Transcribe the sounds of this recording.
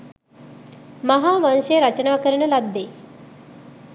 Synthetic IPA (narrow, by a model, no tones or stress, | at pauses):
mɐɦaːʋanʃəjəɾɐt͡ʃənaːkəɾənəlad̪ːeː